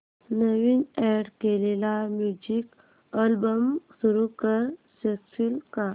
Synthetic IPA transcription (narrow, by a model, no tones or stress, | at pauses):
nəʋinɛɖkelelamjud͡ʑik | əlbəmsuɾukəɾ | seksulka